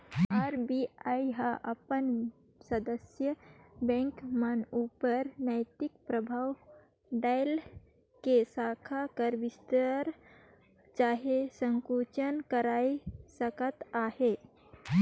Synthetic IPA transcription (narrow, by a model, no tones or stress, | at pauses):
aɾbiajɦaʔəpən | səd̪əsjəbɛ̃ŋkmənupəɾnəɪt̪ikpɾəbʱaw | ɖaɪl | kesakʰakəɾbist̪əɾ | t͡ʃaɦesə̃ŋkut͡ʃənkəɾaisəkət̪ahe